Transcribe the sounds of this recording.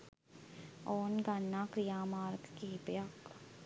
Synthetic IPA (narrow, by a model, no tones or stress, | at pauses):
ɔːnɡanːaːkɾijaːmaːɾɡkipjak